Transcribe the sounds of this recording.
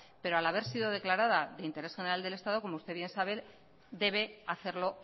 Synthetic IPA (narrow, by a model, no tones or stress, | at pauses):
pe̞ɾoalaβe̞ɾsiðo̞ðe̞klaɾað̞aðe̞int̪eɾe̞sxe̞neɾald̪e̞le̞st̪að̞o̞ko̞moust̪eβje̞nsaβ̞e̞ | d̪e̞β̞e̞aθe̞ɾlo̞